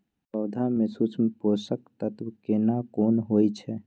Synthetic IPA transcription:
pəʊd̪ʱamesut͡ʃʰmeposəkt̪ət̪bkenakonɦojt͡ʃʰɛ

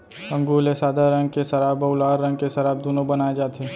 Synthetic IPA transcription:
ɐ̃ŋɡuːlesaːd̪aɾɐ̃ŋɡ̚kesɐɾaːbɐʊlaːɾːɐ̃ŋɡ̚kesɐɾaːb̚d̪oːnõbɐnaːed͡ʒaːt̪eː

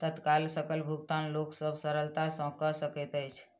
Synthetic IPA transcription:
t̪ət̪kalsəkəlbʱuɡt̪anloksəbʱsəɾəlt̪asə̃kəsəkɛt̪əjt͡ʃʰ

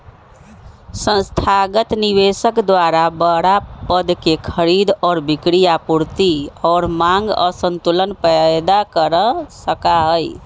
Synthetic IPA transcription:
sə̃nst̪ʰaɡət̪niβesəkd̪waɾabəɽapəd̪kekʰəɾid̪ɔːɾbikɾijapuɾt̪iɔːɾmaŋɡə̰sənt̪ulənpəd̪akəɾəsəkaɦəj

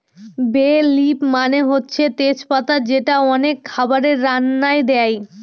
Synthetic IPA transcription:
belipmaneɦotːɕʰet̪et͡ɕpat̪ad͡ʑeʈaɔnekʰːabaɾeɾːanːajd̪ɛj

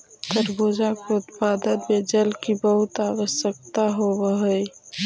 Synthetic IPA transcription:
t̪əɾboːd͡ʒakot̪paːd̪əd̪med͡ʒəlkibəɦʊt̪aːwəʃjək̚t̪aɦowəɦəj

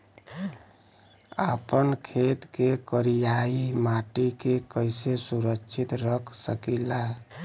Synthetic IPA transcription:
a̰pənkʰet̪kekəɾijaimaʈikekəɪjsesuɾəkt͡ʃʰit̪ɾəkʰsəkila

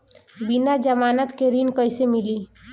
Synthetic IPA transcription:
binad͡ʒəmaːnət̪keɾinkəjsemili

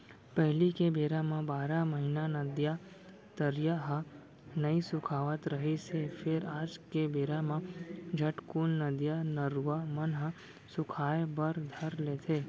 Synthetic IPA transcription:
pəɦlikebeɾamãbaɾaməɦinanəd̪ja | t̪əɾjaɦə | nəĩsʊkʰaʋət̪ɾəɦet͡ʃʰefʰeɾad͡ʒkebeɾamãd͡ʒʱəʈkunːəd̪janəɾʋamənɦə | sʊkʰajbəɾd̪ʱəɾlet̪ʰe

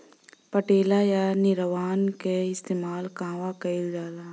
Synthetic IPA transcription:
pəʈeːlajanɪɾʋaːnkeɪst̪eːmaːlkãːʋakɐid͡ʒaːlaː

